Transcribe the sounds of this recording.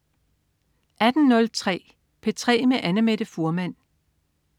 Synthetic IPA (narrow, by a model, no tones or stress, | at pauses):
ʔæd̥n̩nɔ̽lt͡sʰʁɛ̰ː | pʰet͡sʰʁɛ̰ːmeʔænəmeɾ̥əfuɐmæn̰